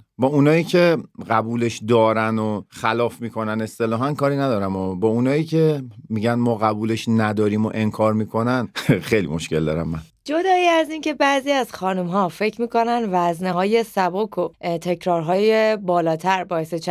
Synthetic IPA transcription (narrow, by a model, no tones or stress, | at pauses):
bɒːunɒːiːcʰe̞ɢæbuːleʃd̪ɒːɾænoxælɒːfmiːkʰo̞næne̞st̪e̞lɒːɦænkʰɒːɾinæd̪ɒːɾæmɒbɒːunɒːiːcʰemiːɟænmɒːɣæbuːle̞ʃnæd̪ɒːɾiːmo̞ʔe̞nkʰɒːɾmiːkʰo̞nænxejlḭmoʃce̞̰ld̪ɒ̰ːɾæ̰mːæn | d͡ʒod̪ɒːiæzince̞bæziːæz̥xɒːnumɦɒːfe̞cʰɾmiːko̞nænvæzneɦɒːje̞sæbokʰot̪ʰe̞cʰɾɒːɾɦɒːjebɒːlɒːt̪ʰæɾbɒːe̞set͡ʃʰ